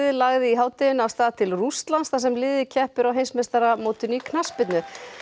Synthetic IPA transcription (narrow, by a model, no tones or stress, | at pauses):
ðɪlaɣðɪiɦaːwt̪ɪʏnawst̪aːðt̪ʰɪlrust̪lansθasɛmlɪːðɪcʰɛhpʏɾawɦejnsmɛst̪aɾamoːwt̪ʏnikʰnaspɪt̪nʏ